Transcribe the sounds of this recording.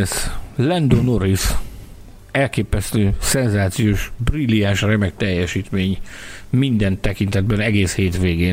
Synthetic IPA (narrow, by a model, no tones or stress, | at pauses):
slɛnd̪oːnoɾis | ɛlkeːpɛst̪øːsɛnzaːt̪sijoːʃbrilianʃrɛmɛk̚t̪ɛjːɛʃiːt̪meːɲmind̪ɛnt̪ɛkint̪ɛd̪bɛnɛɡeːsheːt̪ʋeːɡeː